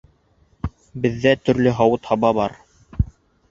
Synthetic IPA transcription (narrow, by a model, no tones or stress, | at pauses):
bɘ̆ðːæt̪ɵ̆ɾlɘɦɑwɤt̪hɑβɑβɑɾ